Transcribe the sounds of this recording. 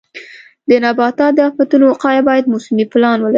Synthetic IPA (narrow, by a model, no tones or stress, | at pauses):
d̪ənabɑt̪ɑd̪əɑfat̪unoqɑjabɑjad̪̚mosɪmiplɑnwəlaɾi